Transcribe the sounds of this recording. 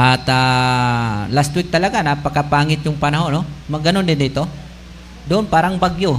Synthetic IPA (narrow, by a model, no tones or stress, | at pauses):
ʔat̪a | last̪wik̚t̪ɐlaɡanapɐkapaːŋɪt̪̚jʊŋpɐnaɦonomɐɡɐnond̪ɪd̪iːt̪o | d̪oʔonpaːɾaŋbaɡjo